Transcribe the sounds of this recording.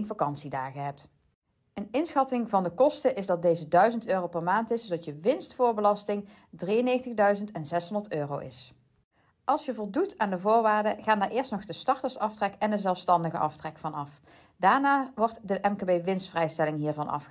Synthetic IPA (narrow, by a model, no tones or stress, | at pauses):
nvakɑnsidaːɣəɦɛp̚t | ənɪnsxɑtɪŋvɑndəkɔstəʔɪzdɑt̚dejzədœɥzəntøːrowpɛɹmaːntɪsodɑtjəʋɪnstfʊːɹbəlɑstɪŋ | drijənejxəntəɣdœɥzəntɛnzɛsɦondəɹtøːrowʔɪ̰s | ʔɑlˠsjəvɔlˠdutaːndəvʊːɹʋaːɹdəɣaːndaːɹʔɪːɹstnɔχdəstɑɹtəɹsɑftrɛkɛndəzɛlˠfstɑndəɣə̰ʔɑ̰ftrɛkfɑnɑf | daːɹnaːʋɔɹtdəʔɛmkaːbejʋɪnstfrɛjstɛlɪŋɦiːɹvɑnʔɑ̰f